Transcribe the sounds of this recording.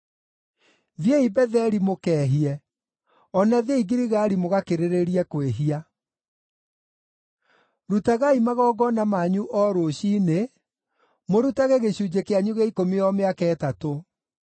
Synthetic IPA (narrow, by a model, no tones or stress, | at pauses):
ðjeibɛðɛɾimokɛːɦiɛ | ɔnaðeiɡiɾiɣaɾimoɣakeɾeɾeɾiɛkweɦia | ɾutaɣaimaɣɔːɡɔnamaɲuʔɔɾoɕiːne | moɾutaɣeɣeɕud͡ʑekeaɲuɣeikomiɔmeakɛːtato